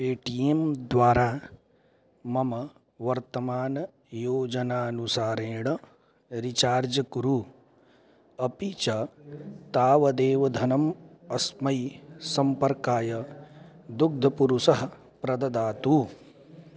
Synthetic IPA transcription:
peːʈijemd̪ʋaːɾaː | mɐmɐ | ʋɐɾt̪ɐmaːnɐ | joːd͡ʒɐnaːɐnusaːɾeːɳɐ | ɾit͡ʃaːɾd͡ʒɐkuɾu | ɐpit͡ʃat̪aːʋɐd̪eːʋɐd̪ʱɐnɐmɐsmɐjsɐmpɐɾkaːjɐ | d̪uɡ̚d̪ʱɐpuɾusɐɦɐ̆ | pɾɐd̪ɐd̪aːt̪u

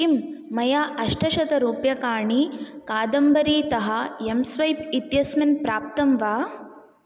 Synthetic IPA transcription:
kimːɐjaːʔɐʂʈɐʃɐt̪ɐɾuːpjɐkaːɳikaːd̪ɐmbɐɾiːt̪ɐɦɐ̆emsʋɐjpit̪jɐsmɐnpɾaːp̚t̪ɐmʋaː

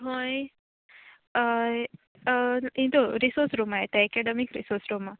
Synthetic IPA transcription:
ɦoj | ĩt̪oɾisoɾsɾumaet̪eɛkeɖəmikɾḭsoɾsɾoma

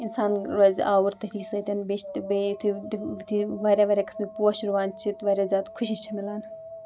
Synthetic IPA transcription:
insaːnɾɐzaːwuɾt̪ɐfiːsɐt̪ʲɐnbeʃt̪bet̪ʰid̪t̪ʰiʋɐɾʲaʋɐɾʲaːkɐ̥smipuʃuɾʋaːnt͡ʃʰit̪ʋɐɾʲaːzʲjaːt̪kʰuʃiʃt͡ʃʰɐmilaːn

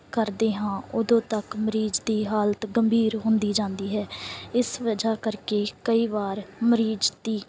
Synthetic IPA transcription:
kəɾd̪eːɦãːʊd̪õːt̪əkməɾiːd͡ʒd̪iːɦaːlt̪ɡəmbʱiːɾɦʊnd̪iːd͡ʒãːnd̪iːɦɛːɪsʋəd͡ʒaːkəɾkeːkəiːʋaːɾməɾiːd͡ʒd̪iː

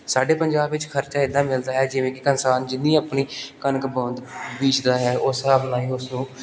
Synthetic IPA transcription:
saːɖeːpəɲd͡ʒaːbʋɪt͡ʃkʰəɾt͡ʃaːɪd̪ãːmɪld̪aːɦɛːd͡ʒɪʋẽːkɪkənsaːnd͡ʒɪnːĩːəːpniːkənəkbə̃ːnd̪biːt͡ʃd̪aːɦɛːʊːsɦaːbnãːiːʊsnũː

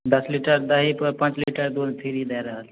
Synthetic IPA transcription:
d̪ɐsliʈəɾd̪ɐɦipəpɐ̃t͡ʃliʈəɾd̪olt̪ʰiɾid̪ajɾəɦəl

